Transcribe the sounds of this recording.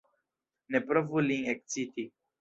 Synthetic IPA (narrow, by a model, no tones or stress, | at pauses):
nepɾəvuliŋek̚sit̪i